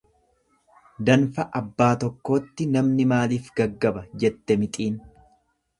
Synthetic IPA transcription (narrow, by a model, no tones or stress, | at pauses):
d̪ɐnfɐʔɐbːaːt̪ɔkːo̞ːt̪ːɪnɐmnɪmaːliːfɡɐɡːɐbɐd͡ʒɛt̪ːɛmɪt̪ʼiːn